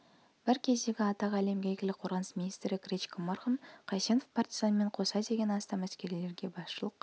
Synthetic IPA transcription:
b̥ɪɾkʲʰe̞zd̪e̞ɡʲɪɑt̪ɑʁæle̞mɡʲæjɡʲelɪk̚qʰo̞ɾʁɑnəsmʲinijst̪ɾɪkʲrʲet͡ʃkʰʲomɑrχəmqʰɑjse̞nofpʰart̪izanme̞ɴqʰo̞sɑd̪e̞ɡʲe̞nɑst̪ɑmæskʲe̞ɾile̞ɾɡʲe̞bɑsʃəlˠəq

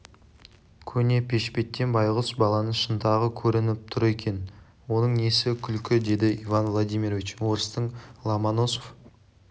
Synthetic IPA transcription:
kʲʰɵne̞pʲʰe̞ʃpe̞t̪ːe̞nbɑjʁəsbɑlˠɑnəɴʃənt̪ɑʁəkʲʰɵɾɪnɪp̚t̪ʰʊɾe̞kʲe̞n | wo̞nəɴne̞sɪkʲʰʏlkʲɪd̪e̞d̪ɪivanvlˠod̪ijmʲiɾvʲit͡ʃwoɾst̪əɴlˠɑmanosof

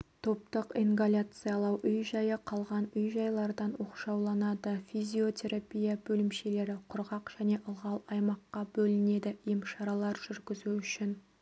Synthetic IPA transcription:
t̪ʰo̞p̚t̪əqiŋɡalʲat̪sɨjɑlˠɑwʔʏjʒɑjəqʰɑlˠʁɑnʏjʒɑjlˠɑɾd̪ɑnwo̞qʃɑwlˠɑnɑd̪əfʲizʲio̞t̪ʲʰe̞ɾapʲijabɵlɪmʃe̞le̞ɾɪqʰʊɾʁɑqʒ̥æne̞ʔəlˠʁɑlˠɑjmɑqːɑbɵlɪne̞d̪ɪʔijəmʃɑɾɑlˠɑɾʒ̥ʏɾɡʲɪzuʏʃɪn

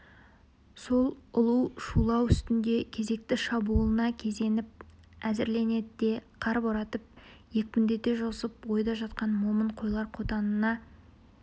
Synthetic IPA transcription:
so̞lˠʊlˠuwʃulˠɑwʏst̪ɪnd̪e̞kʲʰe̞ze̞k̚t̪ɪʃɑbulˠənɑkʲʰe̞ze̞nɪp̚ | æzɪɾle̞ne̞d̪ɪd̪e̞qʰɑɾboɾɑt̪əp̚ | je̞k̚ʲkʲʏnd̪e̞t̪e̞ʒosəpwo̞jd̪ɑʒɑt̪qɑnmo̞məɴqʰo̞jlˠɑɾqʰo̞t̪ɑnənɑ

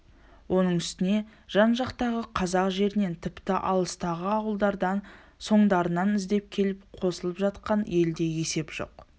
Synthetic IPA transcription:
wʔo̞nəɴʏst̪ɪne̞ʒ̥ɑnʒɑqt̪ɑʁəqʰɑzɑqʒe̞ɾɪne̞nt̪ʰɪpt̪ɪʔɑ̰lˠəst̪ɑʁəɑwəlˠd̪ɑɾd̪ɑn | so̞ɴd̪ɑɾənɑnɪzd̪e̞p̚kʲʰe̞lɪpqʰo̞səlˠəpʒɑt̪̚qɑne̞ld̪e̞je̞se̞pʒ̥o̞̰q

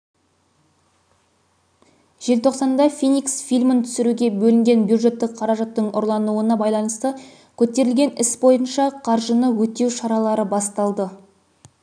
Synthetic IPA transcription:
ʒ̥e̞lt̪ʰo̞qsɑnd̪ɑfʲiniksfijlʲmənt̪ʰʏ̥sɪɾuɡʲe̞bɵlɪŋɡʲe̞nbjud̪ʐe̞t̪ːɪk̚qʰɑɾɑʒɑt̪ːəɴʔʊ̰ɾlˠɑnuənɑbɑjlˠɑnəst̪ə | kʲʰɵt̪e̞ɾɪlɡʲe̞nɪsbo̞jənʃɑqʰɑɾʒənəwɵt̪e̞wʃɑɾɑlˠɑɾəbɑst̪ɑlˠd̪ə

